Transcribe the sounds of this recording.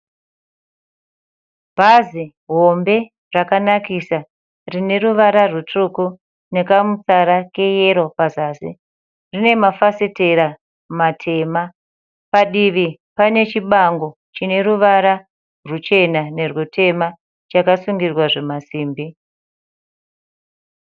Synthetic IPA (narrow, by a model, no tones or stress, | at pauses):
b̥ʱazi | ɦo̞mbe̞ | rakanakisa | rine̞ɾuʋaɾarutuku | ne̞kamut͡saɾake̞jeɾo̞pazaːsi | rine̞mafasete̞ɾa | matʰe̞ma | paɗiʋipane̞t͡ʃiɓaŋɡo̞ | t͡ʃine̞ɾuʋaɾa | rut͡ʃe̞nane̞rwotʰe̞ma | t͡ʃakasuŋɡirwaʐe̞masiːmbi